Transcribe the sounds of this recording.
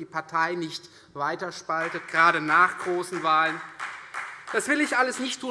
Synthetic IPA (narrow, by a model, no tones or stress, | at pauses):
iːpʰaɐtʰaɪnɪçt | v̥aɪtɐʃpaltət̚ɡ̥ʁaːɾənaːχɡ̥ʁoːsn̩vaːlən | d̥asv̥ɪlɪçʔaləsnɪçtʰːuː